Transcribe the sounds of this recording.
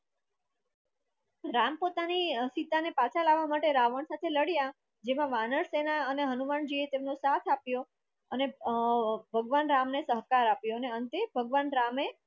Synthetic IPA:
ɾampot̪anisit̪anepat͡ʃʰalaʋːamaʈeɾaʋəɳsat̪ʰeləɽja | d͡ʒemãʋanəɾsenaəneɦənumaɳd͡ʒiet̪emnõsat̪ʰapjo | əne | bʱəɡʋanɾamnesəɦkaɾapjoəneənt̪ebʱəɡʋanɾame

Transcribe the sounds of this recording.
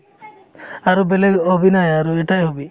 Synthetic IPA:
aɾubeleɡobinajaɾuɛʈajɦobi

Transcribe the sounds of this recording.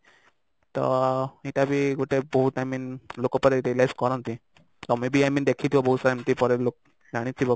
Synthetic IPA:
t̪ɔ̰iʈabiɡoʈeboɦut̪aminlokɔpɔɾeɾilajskɔɾant̪ĩ | t̪ɔmebiamind̪ekʰit̪ʰibɔbɔɦut̪saɾamt̪ipɔɾelok̚ | ɾaɽ̃it̪ʰibɔ

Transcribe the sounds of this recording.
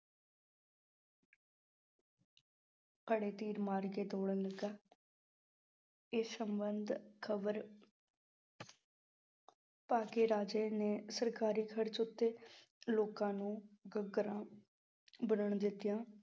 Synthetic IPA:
kəɽeːt̪iːɾmaːɾɡeːt̪oːɽənləɡaː | eːsəmbənd̪kʰəʋəɾ | paːkeːɾaːd͡ʒeːneːsəɾkaːɾiːkʰəɽt͡ʃʊt̪ːeː | loːkãːnũːɡəɡɾãː | bənəɳd̪ɪt̪ːɪjãː

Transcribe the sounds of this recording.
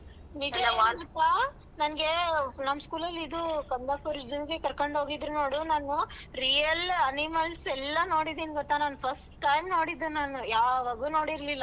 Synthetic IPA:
niɡiaɡɔt̪ːa | nɐnɐɡe̞nɐmːskuːlɐlːid̪ukɐnd̪aːpɐɾd͡ʒɐɡekɐɾkoɳɖɦo̞ːɡid̪ɾuno̞ːɽunaːnuɾijɐlɐnimɐlsɛlːɐno̞ːɽid̪iːnɡɔt̪ːanaːnupʰɐsʈʈːɐjmno̞ːɽid̪unaːnujaːʋaːɡuːno̞ːɽiɾlilːa

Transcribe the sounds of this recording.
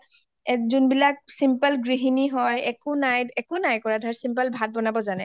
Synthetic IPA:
ɛzunbilak̚simpəlɡɹiɦiniɦɔjɛkʊnajɛkʊnajkɔɹadʱɔɹsimpəlbʱat̚bɔnabɔzanɛ

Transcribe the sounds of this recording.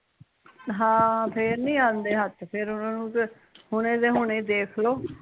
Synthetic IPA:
ɦãːpʰeːɾnĩːãːnd̪eːɦət̪pʰɪɾʊnãːnũːk | hʊɽ̃ẽːd̪eːɦʊɳẽːd̪eːkʰloː

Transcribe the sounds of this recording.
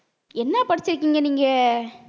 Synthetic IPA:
ɛnːɐpɐɽɪt͡ʃːɪɾɯk̬ːiːŋɡɐniːŋɡɐ

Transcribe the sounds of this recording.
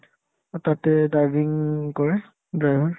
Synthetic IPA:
ɔtatɛdajbʱiŋkɔɹɛ | dɹajbʱɔɹ

